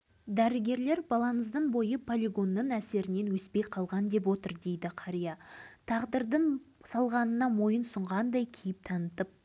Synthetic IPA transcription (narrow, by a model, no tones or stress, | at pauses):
d̪æɾɪɡʲe̞ɾle̞ɾbɑlˠɑnəzd̪əɴbo̞jəpʰolʲiɡo̞nːəɴæse̞ɾɪne̞nwɵspe̞jqʰɑlˠʁɑnd̪e̞p̬wo̞t̪əɾd̪e̞jd̪ɪqʰɑɾijɑt̪ʰɑʁd̪əɾd̪əɴsɑlˠʁɑnənɑmo̞jənsʊɴʁɑnd̪ɑjkʲʰejɪp̚t̪ʰɑnət̪əp̚